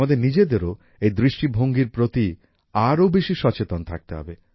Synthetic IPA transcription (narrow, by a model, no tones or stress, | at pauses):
ad̪eɾnid͡ʑed̪eɾo | ejd̪ɾiʃʈibʱoŋɡiɾpɾot̪i | aɾowbeʃiʃɔt͡ɕet̪ont̪ʰa̰k̚t̪eɦɔ̰be